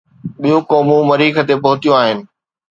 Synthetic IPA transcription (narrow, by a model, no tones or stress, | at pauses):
ɓijũkɔːmũmɐɾiːkət̪epɐɦʊt̪ijũaːɦɪnɪ̆